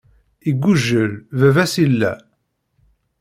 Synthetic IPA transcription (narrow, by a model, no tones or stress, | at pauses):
iɡʷːuʒːəɾvævæsilːæ̰